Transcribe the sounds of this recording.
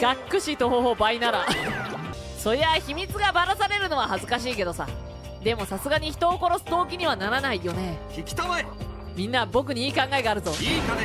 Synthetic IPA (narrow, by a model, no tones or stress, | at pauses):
ɡ̥akːɯ̟ɕit̪o̞ɦoɦo̞bainaɾa | so̞ɾeaçimʲit͡sɨɡabaɾasaɾe̞ɾɯ̟no̞βahazɨkaɕ̬iːke̞d̪o̞sa̰ | d̪e̞mo̞sasɨɡaɲ̟içi̥t̪o̞ːko̞ɾo̞sɨd̪o̞ːkʲiɲ̟iβanaɾanaijo̞ne̞kʲikʲi̥t̪oma | mʲĩnːabo̞k̬ɯ̟ɲ̟iiːkãŋɡaeɡaːɾɯ̟t̪o̞